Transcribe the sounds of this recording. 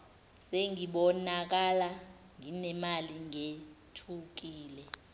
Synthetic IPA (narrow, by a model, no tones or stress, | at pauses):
seŋiɓɔnak̬ala | ŋinɛmaliŋetʰuk̬iːlɛ